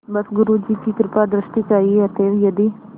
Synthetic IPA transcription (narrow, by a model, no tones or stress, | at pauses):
bɐsɡʊɾud͡ʒikikɾpad̪ɾəʃʈikaːjiɐt̪ewjɐd̪i